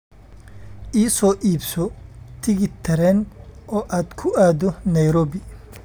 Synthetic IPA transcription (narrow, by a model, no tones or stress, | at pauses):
ʔiːsɔːʔiːbsɔt̪ʰɪɣɪt̪ʰɛɾɛnɔːʔaːd̪kʰʊʔaːðɔnɐjɾɔːbɪ